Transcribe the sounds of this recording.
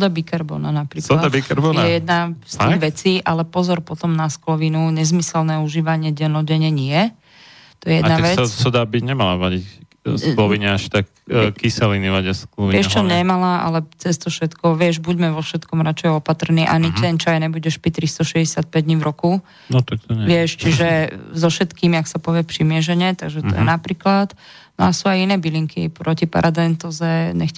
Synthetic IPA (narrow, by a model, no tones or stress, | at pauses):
sɔd̪abikaɾbɔ̰nanapɾiːklɔad̪aikaɾbɔnɛjɛd̪nasiʋɛt͡siːʔalɛpɔzɔɾpɔt̪ɔmnasklɔʋinuɲɛzmisɛlnɛuʒiːʋaɲɪɛɟɛnɔɟɛɲɛɲɪɛ | t̪ɔjɛjɛd̪naɛɛsasad̪aːbiɲɛmalaʋaɟic | sklɔʋiɲɛaʃt̪ak | kːisɛliniʋaɟasklɔiʋɪɛʃt͡ʃɔɲɛmalaʔa̰lɛt͡sɛst̪ɔfʃɛt̪kɔʋɪɛʒbuɟmɛʋɔfʃɛt̪kɔmɾat͡ʃɛjɔpat̪r̩niːʔanit̪ɛnt͡ʃajɲɛbuɟɛʃpɾit̪ɾist̪ɔʃɛzɟɛsɪat̪̚pɛɟd̪ɲivɾɔku | nɔt̪ak̚t̪ɔɲʋɪɛʃt͡ʃiʒɛzɔfʃɛt̪kiːmaksapɔʋɪɛpʃimɪɛʒɛɲɛt̪aɡʒɛt̪ɔ̰jɛ̰napɾiːklat̪ | nɔasuajinɛːbiliŋkʰḭpɾɔcipa̰ɾad̪ɛnt̪ɔzɛɲɛx